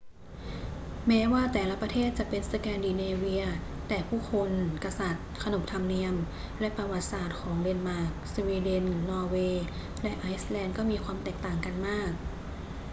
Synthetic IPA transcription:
mɛː˦˥waː˥˩t̪ɛː˨˩la˦˧˥pɾa˧t̪ʰeː˥˩t̪̚t͡ɕa˨˩ʔpe˧nsa˧kɛː˧ndiː˧neː˧wi˧ɐ | t̪ɛː˨˩pʰuː˥˩kʰo˧nka˧sa˨˩t̪̚kʰa˧no˨˩m̚t̪ʰa˧mni˧əm | lɛ˦˥ʔpa˧wa˨˩t̪̚saː˨˩t̪̚kʰɔː˩˦ŋde˧nmaː˥˩k̚swiː˧de˧nːɔː˧weː˧ | lɛ˦˥ʔaː˧˥jslɛː˧nkɔː˥˩miː˧kʰwaː˧mt̪ɛː˨˩k̚t̪aː˨˩ŋka˧nmaː˥˩k̚

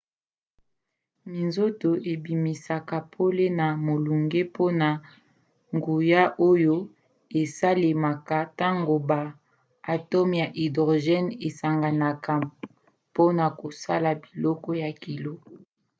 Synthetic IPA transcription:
mi˨nzo˦to˨ʔe˨bi˨mi˨sa˨ka˨pʰo˦le˦na˨mo˨lu˨ŋɡe˦pʰo˦na˨ | ŋɡu˨ja˦ʔo˦jo˦ | e˨sa˦le˨ma˨ka˨ta˦ŋɡo˨baː˨ | tɔ˦mja˨ʔi˨do˨ʒɛ˦ne˨sa˨ŋɡa˨na˨ka˨ | po˦na˨ko˨sa˦la˨bi˨lɔ˦kɔ˦ja˨ki˨lo˦

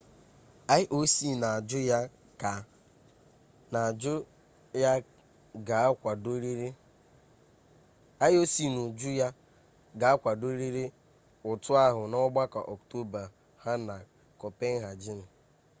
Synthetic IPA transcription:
a˦ɪ˦ʔo˦si˦na˨a˨d͡ʒʊ˦ja˦ | ka˨ | na˨d͡ʒʊ˦ | ja˦ | ɡa˨a˦kʷa˨do˦ɾi˦ɾe˦ | a˦ɪ˦o˦si˦nu˨d͡ʒʊ˦ja˦ | ɡa˨a˦kʷa˨do˦ɾi˦ɾe˦ | ʊ˨tʊ˦a˦ɦʊ˨nɔ˦ɡ͡ba˦ka̰˨ʔɔ˨kto˦ba˨ | ha˦na˨ | kɔ˨pe˦ŋ˦ɦa˨d͡ʒi˦n̩˨

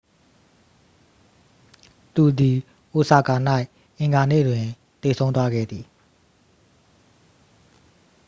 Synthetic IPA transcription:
t̪u˨d̪i˨ | ʔo˨sa˨ka˨n̥a˦ɪʔ | ʔɪ̃˨ŋɡa˨nḛ˦˨dwɪ̃˨ | t̪e˨sʰõ˦ʊ̃t̪wa˦ɡɛ̰˦˨d̪ði˨

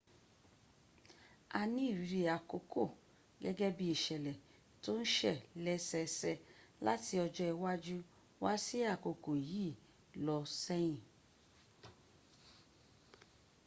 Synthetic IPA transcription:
a˧nĩ˦i˦˨ɾi˨˧ɾi˧a˨ko˧kʰo˦˨ | ɡɛ˦ɡɛ˦bi˧i˨ʃɛ˨lɛ˨ | to˦n̩˦ʃɛ˦˨lɛ˦sɛ˧sɛ˧la̰˦ti˧ɔ˧d͡ʒɔ˧ɛ˧wa˦d͡ʒu˦ | wa˦si˦a˦˨ko˨ko˨ji˦˨ | lɔ˧sɛ˦j̃ĩ˦˨

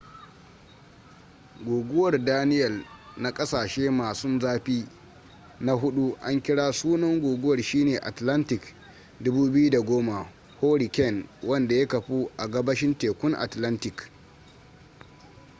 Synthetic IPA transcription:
ɡʷoː˨ɡʷʊ˦wɐ˨rdaː˦nɪ˦jɐ˨lna˦kʼɐ˦saː˨ʃeː˦maː˨sʊ˦nzaː˦ɸiː˦ | na˦ɦʊ˦ɗu˦ʔa˦ŋkʲɪ˦ɽaː˦suː˦nɐ˦ŋɡʷoː˨ɡʷʊ˦wɐ˨rʃiː˦neː˨ʔa˨tlɐ˦ntɪ˨k | dʊ˦buː˦bɪ˦ju˦da˨ɡʷoː˦ma˨ | hoː˦ɽi˨kʲɛ˦˨nwɐ˦nda˨ja˦kɐ˨ɸu˦ʔa˨ɡɐ˦bɐ˦ʃɪ˦nteː˨kʷʊ˦ŋʔa̰˨tlɐ˦ntɪ˨k

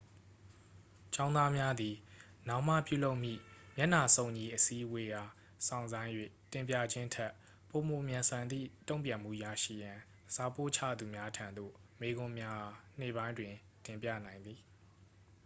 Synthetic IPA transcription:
t͡ɕã˦ʊ̃na˦mja˦d̪i˨ | nã˦ʊ̃m̥a̰˦˨pjṵ˦˨lo˦ʊʔm̥ḭ˦˨mjɛ˦ʔn̥a˨sõ˨ʊ̃ɲi˨ʔəsi˦ʔwe˦ja˨ | sʰã̰˦˨ʊ̃nzã˦ɪ̃jwḛ˦˨tɪ̃˨mpjä̰˦˨d͡ʑɪ̃˦ntʰɛ˦˨ʔ | po˨mo˨mjã˨nsã˨nd̪ðḭ˦˨tõ˦˨ʊ̃mpjã˨m̥ṵ˦˨ja˦˨ʃḭ˦˨jã˨ | sa˦po̰˦˨t͡ɕʰä̰˦˨d̪u˨mja˦tʰã˨nd̪o̰˦˨me˦ɡʊ̃˦mja˦˨n̥ḛ˦˨bã˦ɪ̃ndwɪ̃˨ | tɪ̃˨mpjä̰˦˨nã˨ɪ̃nd̪ði˨

